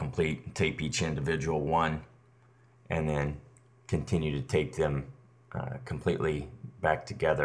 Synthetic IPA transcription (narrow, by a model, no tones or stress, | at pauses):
m̩pʰl̥ittʰeɪpit͡ʃɪ̃ndɨvɪd͡ʒəwl̩ˠwʌ̃n | ʔɨ̃nðɨ̃n | kʰɨ̃ntʰɪ̃njʉɾɨtʰeɪk̚ðɨ̃m | kʰm̩pʰl̥ḭʔlibæk̚tʰɨɡɛðə